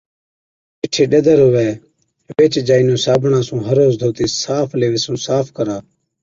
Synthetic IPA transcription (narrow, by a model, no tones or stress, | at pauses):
pɪʈʰeːɗed̪əɾɦʊʋeː | ʋeːt͡ʃd͡ʒaːiːnõːsaːbʱɳãːsũːɦəɾoːzd̪ʱoːt̪iːsaːpʰleːʋɪsũːsaːpʰkəɾaː